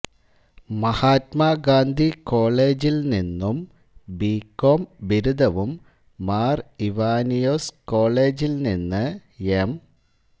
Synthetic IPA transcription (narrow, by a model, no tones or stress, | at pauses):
mɐhaːt̪maɡaːnd̪ʱiko̞ːɭe̞ːd͡ʑilninːum | biːkːoːmbiɾud̪ʱɐʋumː | aːriʋaːnijoːsko̞ːɭeːd͡ʑilninːɨem